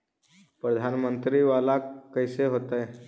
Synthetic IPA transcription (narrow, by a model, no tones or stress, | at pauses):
pɾəd̪ʱanmənt̪ɾiʋalakəjseɦot̪a